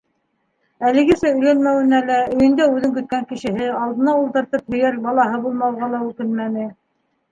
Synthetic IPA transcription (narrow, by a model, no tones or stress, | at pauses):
ælɘ̆ɡɘsæɵ̆jlænmæwɘ̆nælæɵ̆jɵ̆nd̪æʉðɘŋkɵ̆t̪̚kæŋkɘ̆ʃɘ̆ɦɘɑlˠd̪ɤ̆nɑulˠt̪ɤ̆ɾt̪ɤphɵ̆jæɾbɑlˠɑɦɤbulˠmɑwʁɑlˠɑʉkɘnmænɘ